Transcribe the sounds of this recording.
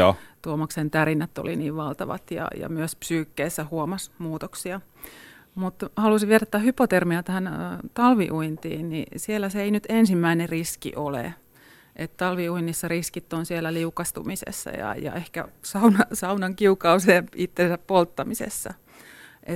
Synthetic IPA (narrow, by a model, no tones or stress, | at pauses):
oːt̪uomɑksent̪ærinːæt̪ːo̰lḭniːʋʋɑlt̪ɑʋɑ̰t̪jɑ̰jɑ̰myøspsyːkːeːsːæhuomɑsmuːt̪oksiɑ | mut̪hɑlusiʋierɑt̪ːæhhypot̪ermiɑt̪æhænt̪ɑlʋiʔuint̪ḭːnnḭsielːæseeinyt̪ensimːæineriskḭʔolḛ | ʔet̪t̪ɑlʋiuinːisːɑriskit̪ːonsielæliukɑst̪ṵmisḛsːɑ̰jɑ̰jɑ̰ehkæ̰sɑunɑsɑunɑŋkiukɑuseːmit̪ːensæppolt̪ːɑmisḛsːɑ̰ | ʔet̪